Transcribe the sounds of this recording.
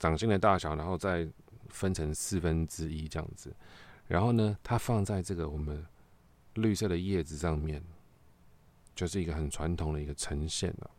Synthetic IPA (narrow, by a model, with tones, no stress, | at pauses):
t͡sɑ˨˩ŋɕi˥ŋd̪ə˧t̪a˥˩ɕjɑ˨˩ʊɻa˧˦nxo˥˧ʊt͡sa˥˩ɪfə˦nʈ͡ʂʰɤ˧˥ŋsɹ̩˥˩fə˦nʈ͡ʂɻ̩˦˥i˦˥ə˦jɑ̰˥˨˩ŋd͡z̩˨˩ɻa̰˧˥nxo˥˩ʊnə˨t̪ʰa˥fɑ˥˧ŋt͡sa˥˧ɪʈ͡ʂɤ˥˩ɡə˩wɔ˨˩mə˦n | ly˥˧sɤ˥˩d̪ə˩jɛ˥˩d͡zɻ̩˨ʂɑ˥˧ŋmjɛ˥˩n | t͡ɕjo˥˧ʊʂɻ̩˥˩i˧˥ɡə˧xə˨˩nʈ͡ʂʰwa˧˦nt̪ʰʊ˨˩ŋd̪ə˦˨i˥ɡə˧ʈ͡ʂʰə˧˥ŋɕjɛ̰˥˩nɐ̰˩